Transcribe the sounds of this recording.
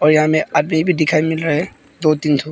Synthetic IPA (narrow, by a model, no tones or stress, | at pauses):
ɔɾjãmɛad̪mibʱidikʰajmilɾaɦɛ | d̪ot̪int̪ʰu